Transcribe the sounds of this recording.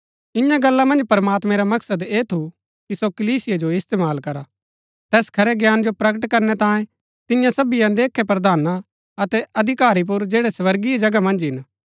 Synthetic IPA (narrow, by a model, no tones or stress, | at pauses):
ɪ̃jãɡɐlːamɐ̃nd͡ʒpɐɾmaːt̪mɛ̃ɾamɐksəd̪eːt̪ʰu | kisokɐliːsɪjed͡ʒoɪst̪eːmaːlkɐɾa | t̪ɛːskʰɐɾɛɡjaːnd͡ʒopɾɐkəʈkɐɾnɛt̪ãːjẽ | t̪ɪjãsɐbijãd̪eːkʰːɛp̬ɾɐd̪aːna | ɐt̪ɛɐd̪ʱɪkaːɾip̬ʊɾd͡ʒeːɽɛsʋɐɾɡiɛd͡ʒɐɡamɐ̃nd͡ʒɦɪn